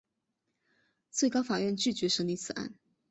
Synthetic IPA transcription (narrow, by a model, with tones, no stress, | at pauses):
t͡swe˥˩ɪkɑ˥ʊfa˨˩ɥɛ˥˧nt͡ɕy˥˩t͡ɕɥɛ˧˥ʂə˧˥ŋli˧˥t͡sʰɹ̩˨˩a̰˥˩n